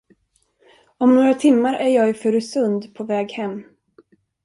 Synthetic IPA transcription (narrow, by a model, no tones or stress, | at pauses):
ɔmnoːɾat̪ʰɪmːaɾæɾjɑːɡfœɾsɵnd̪pʰɔvɛːɡhɛmː